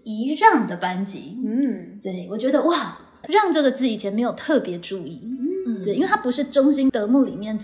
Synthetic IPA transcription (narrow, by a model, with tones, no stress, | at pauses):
i˧˦ɻɑ˥˩ŋd̪ə˩pa˦˥nt͡ɕḭ˧˥˦t̪we˥˩ɪwɔ˨˩t͡ɕɥɛ˧˥d̪ə˧wa˥˩ | ɻɑ˥˧ŋʈ͡ʂɤ˥˩ɡə˩t͡sɹ̩˥˩i˨˩t͡ɕʰjɛ˧˥nme˧˥ɪjo˨˩ʊt̪ʰɤ˥˩pjɛ˨˧˥ʈ͡ʂu˥˧i˥˩t̪wi˥we˥˩t̪ʰa˥pu˧˥ʂɻ̩˥˩ʈ͡ʂo˥ŋɕi˥nt̪ɤ˧˥mu˥˩li˨˩mjɛ˥˩n